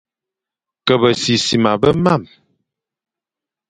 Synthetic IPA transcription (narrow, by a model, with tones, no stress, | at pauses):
kə˨bə˨si˨si˨ma˨bə˦ma˦˨m